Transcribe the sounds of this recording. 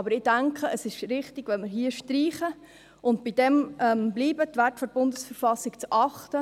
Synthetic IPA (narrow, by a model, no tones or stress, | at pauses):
ɑbəɾɪd̥æŋkʰəəsɪʃɾɪχtɪɡ̥ʋɛlməɾɦiəʃtriːχə | ʊntbid̥ɛmʔɛmbliːbətʋætfɔɾb̥ʊndəsfəɾfɑsɪkt͡sʔɑχtə